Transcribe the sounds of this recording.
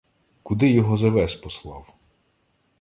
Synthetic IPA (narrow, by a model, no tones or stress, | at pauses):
kʊd̪ɪjɔɦɔzɐʋɛspɔslˠɑw